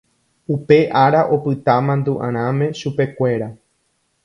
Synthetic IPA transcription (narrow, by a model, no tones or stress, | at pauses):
upe̞ʔaɾaʔo̞pɨt̪amãnd̪uʔã̰ɾ̃ãmẽ̞ʃupe̞kʷe̞ɾa